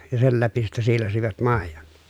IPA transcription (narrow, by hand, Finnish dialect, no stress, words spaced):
jɑ sel læpi sitːæ siːlɑsiʋɑt mɑˑejon